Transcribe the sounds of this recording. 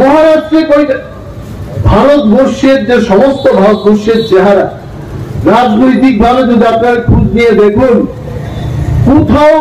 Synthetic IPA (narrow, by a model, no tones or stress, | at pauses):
mɔɦaɾaʃd͡ʑekojʈa | bʱaɾot̪boɾʃeɾd͡ʑeʃɔmost̪obʱaɾot̪̚boɾʃeɾt͡ɕeɦaɾa | ɾad͡ʑnojt̪ik̚bʱalet̪ed̪akaeɾkʰud͡ʑnijed̪ekʰun | kut̪ʰao